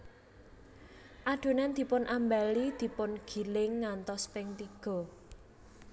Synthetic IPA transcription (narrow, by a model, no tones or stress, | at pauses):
ʔaɖ̥o̤nɛnd̪̥i̤pʊnʔambalid̪̥i̤pʊnɡ̥i̤lɪŋːant̪ɔspɪŋt̪iɡ̥ɔ̤